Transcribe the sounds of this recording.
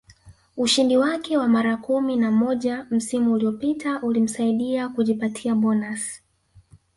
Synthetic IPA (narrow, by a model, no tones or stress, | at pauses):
uʃindiwakɛwamaɾakuminamɔʄam̩simuːliɔpitaʔulim̩saiɗiakuʄipatʰiaɓɔnas